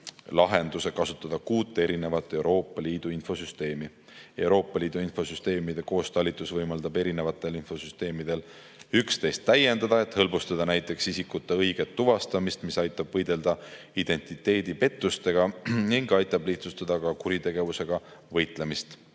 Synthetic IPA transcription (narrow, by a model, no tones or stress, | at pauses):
lɑɦe̞nd̪̥use̞kɑsut̪ːˑɑd̪̥ɑkuːt̪ːˑe̞ɾine̞vɑt̪ːˑe̞wɾo̞ːpːˑɑliːd̪̥uinfo̞syst̪e̞ːmi | e̞wɾo̞ːpːˑɑlʲiːd̪̥uinfo̞syst̪e̞ːmid̪̥e̞ko̞ːst̪ɑlʲːit̪ˑːusvɤjmɑld̪̥ɑbe̞ɾine̞vɑt̪ːˑe̞linfo̞syst̪e̞ːmid̪̥e̞l | ykst̪e̞jst̪ːæje̞nd̪ɑd̪ɑe̞t̪hɤlbust̪ɑd̪ɑnæjt̪ːˑe̞ksisikut̪ːeɤjɡ̥e̞t̪ːuvɑst̪ɑmist̪misɑjt̪ˑːɑbvɤjd̪̥e̞ld̪̥ɑ | id̪̥e̞nʲt̪ˑit̪ːˑe̞ːd̪̥ipe̞t̪ˑːust̪e̞ɡ̥ɑniŋɡɑjt̪ːˑɑbliht̪sust̪ɑd̪̥ɑkɑkuɾit̪e̞ɡ̥e̞vuse̞ɡ̥ɑvɤjt̪ˑle̞mist̪